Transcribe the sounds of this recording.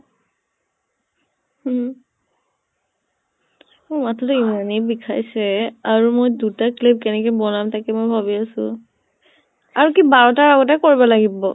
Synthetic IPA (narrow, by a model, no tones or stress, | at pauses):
h | omatʰɔtuimanebikʰajsɛaɹumojdutaklip̚kɛnɛkɔjbɔlamtakɛmojbʱabiasʊ̰̃ | aɹukibaɹɔtaɹaɡɔt̬akoɹibɔlaɡibɔ